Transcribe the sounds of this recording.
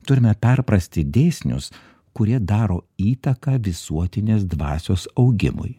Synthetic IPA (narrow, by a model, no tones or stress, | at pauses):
t̪ʊɾʲɪmʲɛpʲɛɾpɾɐsʲt̪ʲɪd̪ʲeːsʲnʲʊ̰s | kʊɾʲiɛd̪ɑːɾoːiːt̪ɐkɑːʋʲɪsuɔt̪ʲɪnʲeːsd̪ʋɑ̰ːsʲoːsɐʊɡʲɪ̰mʊ̰j